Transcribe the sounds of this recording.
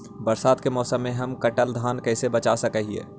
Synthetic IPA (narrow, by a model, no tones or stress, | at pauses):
bəɾsaːd̪kemɔːsəmːẽɦɐmkɐʈəld̪ʱaːnkɛːsebɐt͡ʃasɐkəɦiḛː